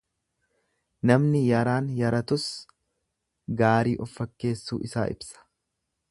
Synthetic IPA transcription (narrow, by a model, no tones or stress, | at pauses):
nɐmnɪjɐɾaːnjɐɾɐt̪ʊs | ɡaːɾiːʔɔfːɐkːe̞ːsːṵːʔɪsa̰ːʔɪ̰bsɐ̥